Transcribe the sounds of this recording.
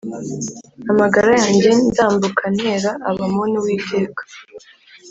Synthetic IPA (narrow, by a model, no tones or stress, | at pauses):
amaɡaɾajaːɲɟe̞nzaːmbukʰane̞ɾaʔːβamoniwiːtʰe̞ːkḁ